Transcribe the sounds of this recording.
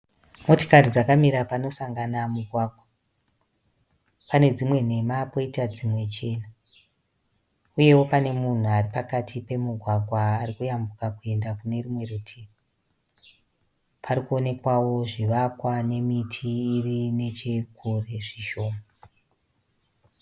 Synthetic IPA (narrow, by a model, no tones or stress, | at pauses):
mo̞to̥karid͡zakamiɾapano̞saŋɡanamuɡʱwaːɡʱwa | pane̞d͡zimwe̞n̤e̞mapoitad͡zimwe̞t͡ʃe̞ːna | uje̞wo̞pane̞mun̤uaripakatʰipe̞muɡʱwaɡʱwaːrikujambukakue̞ndakune̞rimwe̞rutʰia | pʰaɾikuo̞ne̞kwawo̞ʐiʋakwane̞mitʰiːrine̞t͡ʃekʰureʐiʃo̞ːma